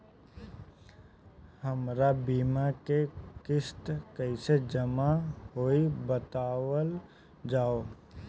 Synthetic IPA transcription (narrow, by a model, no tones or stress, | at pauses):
həmɾabiːmakekɪst̪kəised͡ʒəmaɦoːibət̪aːwəl | d͡ʒaːo